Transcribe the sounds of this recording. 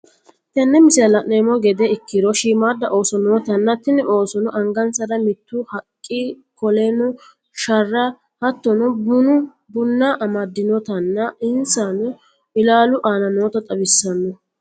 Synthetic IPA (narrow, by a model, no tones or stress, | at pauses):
t̪ɛnːɛmɪsɛɐlɐʔneːmɔɡɛd̪ɛɪkːɪd̪ɔʃiːmaːd̪ːɐʔo̞ːsɔnoːt̪ɐnːɐt̪ɪnɛʔo̞ːsɔnʊʔɐŋɡɐnsɐd̪ɐmɪt̪ːʊhɐkʼːi | kɔlɛnʊ | ʃɐrːɐ | hɐt̪ːɔnʊʊnʊ | bʊnːɐʔɐmɐd̪ːɪnɔt̪ɐnːɐɪnsanʊ | ɪlaːlʊʔaːnɐno̞ːt̪ɐt̪ʼɐbɪsːɐnːɔ